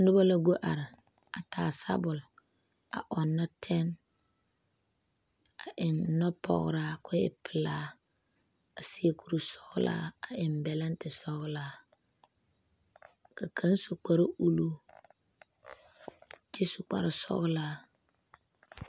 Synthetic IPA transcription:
n˦dʊ˦ba˦la˨ɡo˦ʔa˨ɾɪ˨ | a˨taː˨sa̰˦bʊ˨l | a̰˨ʔɔ˨nːa˦tʰɛ˦n | a˨ʔɪ˨nː˨ɔ˦pʰɔ̰˨ɣ̰ɾaː˦kʊ˦ɪ̰˦pʰɪ˨laː˦ | a˨si˦e˦kʰu˨ɾu˦sɔ˦ɣla̰ː˦a˨ɪ˨mbɛ˨la˦n˦tɪ˨sɔ˦ɣlaː˦ | ka˨kʰa˦nsu˨k͡pa˦ɾa˦ʔu˦lu˦ | t͡ʃi˦su˨k͡pa̰˨ɾa˨sɔ̰˦ɣlaː˦

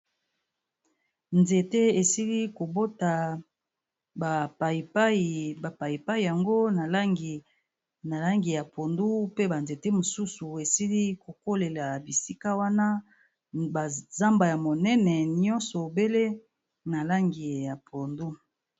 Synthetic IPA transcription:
nze˨te˦e˨si˦li˦ko˨bo˦ta˨ | ba˨pa˨i˨pa˦i˨ba˨pa˨ji˨pa˦i˨ja˨ŋɡo˦na˨la˦ŋɡi˨ | na˨la˦ŋɡi˨ja˨pʰo˨ndu˦pe˦ba˨nze˨te˦mo˨su˦su˨e˨si˦li˦ko˨ko˦le˨la˨bi˨si˦ka˦wa˦na˦ | ba˨za˦mba˨ja˨mo˨nɛ˦nɛ˨nɔ˦nsɔ˨be˦le˦ | na˨la˦ŋɡi˨ja˨pʰo˨ndu˦

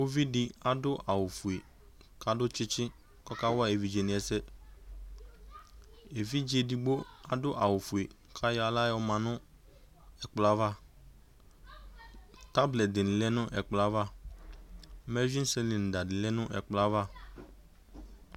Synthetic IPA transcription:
o˦vi˦dɪ˨a˨dʊ˦ʔa˨wʊ˨fʊ˨e˨ | ka˦dʊ˦t͡ʃɪ˦t͡ʃɪ˦ | kɔ˦ka˦wa˦e˨vi˨d͡ʒe˨nɪ̃˨ɛ˨sɛ˦ | e˨vi˦d͡ʒe˨di˨ɡ͡bo˦a˦dʊ˦ʔa˨wʊ˨fu˨e˨ | kʰa˦jɔ˦a˨la˦jɔ˦mã˨nʊ̃˦ | ɛ˨k͡pla˦va˦˨ | ta˦blɛ˨t̚dɪ˨nɪ̃˨lɛ˦nʊ̃˦ʔɛ˨k͡pla˦va˦˨˦ | mɛ˦zĩ˦n˦sɛ˦lɪ˨n˨da˨dɪ˨lɛ˦nʊ̃˦ʔɛ̰˨k͡pla˦va˦

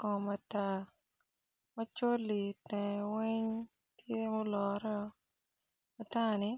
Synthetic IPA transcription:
kɔ˨ma˨ta˦˨ | mɐ˦t͡ʃo˦lːi˨tɛ̃˨wɛ˦ɲ | tje˦mo˦lɔ˨ɾɔ˦ | ma˨ta˦ni˨

